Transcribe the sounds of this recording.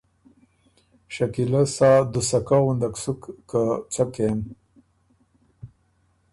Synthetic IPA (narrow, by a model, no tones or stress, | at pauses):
ʃakilasad̪usakawund̪aksukːat͡sakem